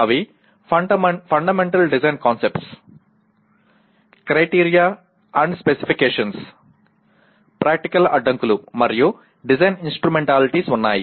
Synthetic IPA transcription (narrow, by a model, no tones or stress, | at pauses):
aʋi | ɐpʰɐɳɖɐmeɳʈɐlɖid͡ʒɐjnkaːnsepʈs | kɾɐjʈiːɾijaː | ɐɳɖspesi̥pʰikeːʂɐns | pɾaːk̚ʈikɐlɐɖːɐŋkulumɐɾiju | ɖizɐjninsʈɾumeɳʈaːliʈisunːa̰ːjḭ